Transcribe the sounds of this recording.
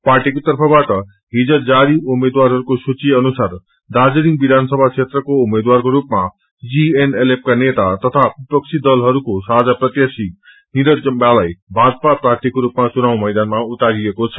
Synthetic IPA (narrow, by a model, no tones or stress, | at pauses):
paɾʈikot̪ʌrpʰʌbaʈʌ | ɦid͡zʌd͡zaɾiumed̪waɾɦʌɾukosut͡ʃieʌnusaɾ | d̪ad͡ziɾiŋɡbid̪ʱansʌbʱaksʰet̪ɾʌkoumed̪waɾkoɾupma | d͡zienelep̚kanet̪at̪ʌt̪ʰabipʌk̚t͡ʃʰid̪ʌlɦʌɾukosaɦd͡zapɾʌt̪jasi | niɾʌd͡zʌmbalajbʱad͡zpapɾaɾt̪ʰikoɾupmat͡sunaw̃mʌjd̪anmaut̪aɾiekot͡sʰʌ̥